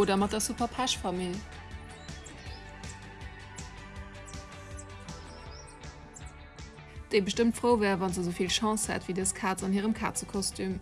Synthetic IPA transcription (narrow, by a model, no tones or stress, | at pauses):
oːdɐmɑt̚dɐsupɐpʰæʃfɑmil | d̥eɪbəʃtəmtfʁəʊvæːʁvɑnzəzəʊfilʃɑ̃ːshæ̰tv̥idəskʰaːt͡sɑnhiːʁəmkʰa̰ːt͡səkʰɔstʰym